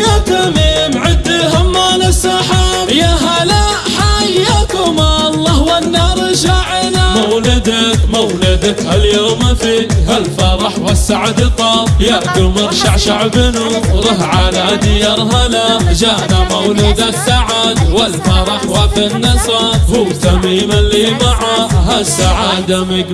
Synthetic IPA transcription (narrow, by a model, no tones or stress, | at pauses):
jat̪amiːmʕɪd̪ːɪhʊmːaːnasaħa | jaɦala | ħajakʊmalˤːɑːhwanːɑːɾˤʃaʕɪnamawlɪd̪akmawlɪd̪akhaljoːmafihalfaɾˤɑħwasːaʕad̪ɪt̪ˤːɑːfˤjaʔɡ̪ʊmɑɾʃaʕʃaʕbɪnuɾˤɑɦʕalad̪ɪjɑɾˤɦalad͡ʒaːnamawlʊd̪asaʕad̪walfɑɾˤɑħwafinːɨsˤɑhuːt̪amiːmalːiːmɑʕɑhasːaʕaːd̪amɪɡ